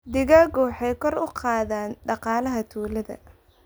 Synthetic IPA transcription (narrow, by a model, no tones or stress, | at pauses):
d̪ɪɣaːɡɔːħɛjkʰɔrʊqɑːðaːnɖɑqɑːlɐɦɐt̪ʰuːlɐðɐ̰